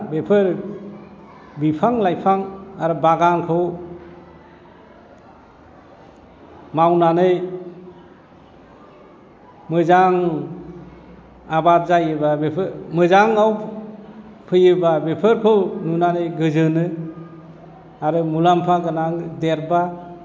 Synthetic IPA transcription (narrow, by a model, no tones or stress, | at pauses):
bepʰɯɾ | bipʰaŋlajpʰaŋaɾɯbaɡaŋkʰɯw | mawnanɯj | mɯzaŋ | abat̚zajɯbabepʰmɯzaŋaw | pʰɯjɯbabepʰɯɾkʰɯwnunanɯjɡɯzɯnɯ | aɾɯmulampʰaɡɯnaŋdeɾba